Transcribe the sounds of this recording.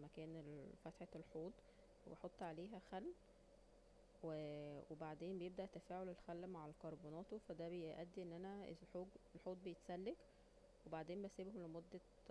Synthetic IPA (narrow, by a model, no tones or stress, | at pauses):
mækæːnelfæt̪ħelħoːt̪ˤ | webeħot̪ˤːʕaleːɦæxælː | wewebaʕd̪eːmbejeb̚d̪æʔt̪ːæfæːʕolelxælːmaʕalkɑɾˤbuːnɑːt̪ofæd̪æbejʔæd̪ːiʔenːʔænæḛlħoːɡelħoːt̪̚ˤbejet̪sælːek | webaʕd̪eːmbæsebhomlemod̪ːæ